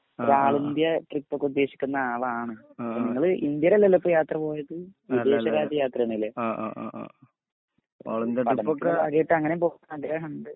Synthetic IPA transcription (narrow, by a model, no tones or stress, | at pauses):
paːɭind̪jɐʈripːokːud̪ːe̞ːɕi̥kʲːunːɐaːʋɐaːɳɨniŋːɐɭʔind̪jɐɾɐlːɐlːɐpːojaːt̪rɐpo̞ːjɐðɨʋid̪e̞ːɕɐɾaːd͡ʑɐjaːt̪rɐnile | a̰ːɭnd̪jɐpɐɽɐmkːɐɣejiʈːɨɐŋːɐnempo̞ːɣunːɐnɐɡɾaːɳɐɳɖɨ